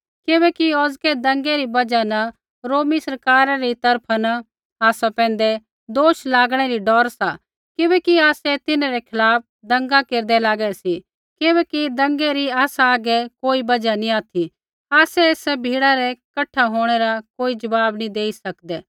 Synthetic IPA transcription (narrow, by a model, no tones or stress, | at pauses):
kɪbɛkiɔːzkɛd̪ɐ̃ŋɡɛɾibɐd͡ʒanɐ | ɾoːmisɐɾkaːɾaɾit̪ɐɾpʰanɐ | aːsapɛ̃ːnd̪ɛ | d̪oːʃlaːɡɽ̃ɛɾiɖɔːɾsa | kɪbɛkiaːsɛt̪ɪnãɾɛkʰɪlaːp̚d̪ɐ̃ŋɡakeːɾd̪ɛlaːɡɛsi | kɪbɛkid̪ɐ̃ŋɡɛɾiaːsaːɡɛkoːibɐd͡ʒaniaːt̪ʰi | aːsɛeːsɛbʱiːɽaɾɛkɐʈʰːaɦoːɽ̃ɛɾakoːid͡ʒɐbaːbnĩd̪eːisɐkd̪ɛː